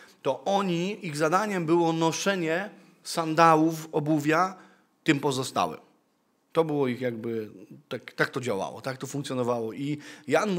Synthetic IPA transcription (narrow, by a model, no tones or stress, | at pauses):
t̪ɔʔɔɲiiɣzad̪aɲɛmbɘwɔnɔʂɛɲɛ | sand̪awufɔbuvʲja | t̪ɘmpɔzɔst̪a̰wɘ̰m | t̪ɔbɘwɔixjaɡ̚bɘt̪akt̪ak̚t̪ɔd͡ʑawa̰wɔ̰t̪ak̚t̪ɔfũŋkt̪ʲjɔnɔvawɔʔijanm